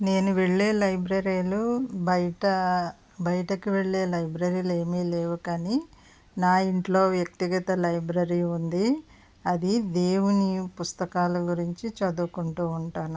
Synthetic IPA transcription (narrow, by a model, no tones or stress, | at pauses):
ne̞ːnuʋeɭːeːlɐjbɾɐɾijlubɐjʈɐ | bɐjɐʈɐkiʋeɭːe̞ːlɐjbɾɐɾiːleːmiːleːʋukɐni | naːiɳʈlo̞ːʋjɐk̚t̪iɡɐt̪ɐlɐjbɾɐɾiund̪i | ɐd̪id̪eːwunipust̪ɐkaːlɐɡuɾiɲt͡ʃit͡ʃɐd̪ukuɳʈuːuɳʈaːnu